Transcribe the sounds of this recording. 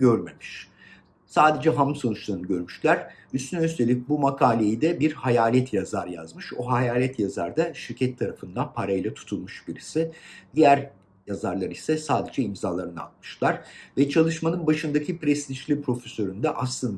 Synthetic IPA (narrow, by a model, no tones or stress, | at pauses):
øɾme̞miʃ | saːd̪e̞d͡ʒɛɦamso̞nut͡ʃlˠaɾɯnɯɟø̞ɾmyʃlʲæɾ̥ | yst̪ʰynɛyst̪ʰe̞lʲic̚bumakʰaːlʲejid̪ɛbiɾhajaːlʲɛt̪ʰjazaɾja̰zmɯʃoɦajaːlʲɛt̪ʰjaza̰ɾd̪aʃiɾcʰɛt̪ʰːaɾafɯnd̪anpʰaɾajlˠat̪ʰu̥t̪ʰulˠmuʃbiɾisɪd̪̥ijæɾ | jazaɾlˠaɾisɛsaːd̪e̞d͡ʒɛimzaːlˠaɾɯnɯa̰lmɯ̥ʃlˠaɾ̥vɛt͡ʃʰalˠɯʃmanɯnbaʃɯnd̪acʰipɾɛst̪iʃlʲipɾo̞fesø̞ɾynd̪ɛʔaslˠɯnd̪